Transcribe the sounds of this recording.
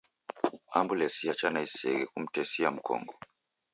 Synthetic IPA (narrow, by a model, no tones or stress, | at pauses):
ambulɛsiat͡ʃanaisɛɣɛkum̩tɛsiam̩kɔ̰ŋɡɔ